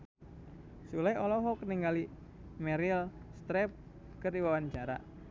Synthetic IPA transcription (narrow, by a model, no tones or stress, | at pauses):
sulajɔlɔɦɔkəniŋɡali | mɛɾilst̪ɾɛp̚ | kəriwawaɲt͡ʃaɾa̰